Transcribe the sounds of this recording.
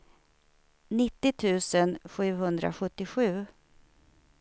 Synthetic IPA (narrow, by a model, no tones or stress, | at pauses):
nɪt̪ːɪt̪ʰʉ̟ːsənɧʉ̟ːhɵnd̪ɾa̰ɧɵt̪ːɪɧʉ̟ː